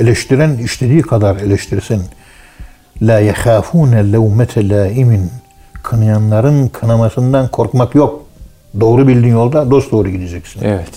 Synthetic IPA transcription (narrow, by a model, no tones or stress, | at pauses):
e̞lʲɛʃt̪ʰiɾæniʃt̪ʰed̪iːkʰad̪aɾe̞lʲɛʃt̪ʰiɾsin | lʲaːjɛxaːfuːnalawmæt̪ʰɛlaːimin | kʰɯnɯjanlˠaɾɯnkʰɯnamasɯnd̪ankʰo̞ɾkmakjo̞k̚ | d̪o̞ːɾubilʲd̪injo̞lˠd̪ad̪o̞st̪̚d̪o̞ːɾuɟid̪ed͡ʒɛcsinɛvɛt̪